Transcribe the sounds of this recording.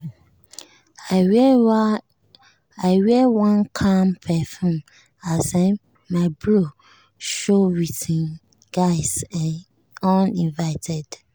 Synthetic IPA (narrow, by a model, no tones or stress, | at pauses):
aɪwɛwãnkʰãmpʰɛfɔ̃m | asã | maɪblo | ʃowitĩn | ɡ̥aɪsãn | ɔ̃nĩnvaɪtʰɛd